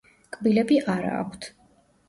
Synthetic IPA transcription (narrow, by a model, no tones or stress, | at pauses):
kʼbilɛbiʔaɾa̰ːkʰʷt̪ʰ